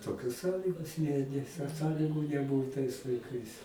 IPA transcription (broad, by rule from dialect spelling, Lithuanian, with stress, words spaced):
toːˈkʲoːs ˈsɑːlʲiːɡoːs nʲɛ nʲɛs sɑː ˈsɑːlʲɪɡʊ nʲɛˈbʊʊ tɐɪs lˠɐɪˈkɐɪs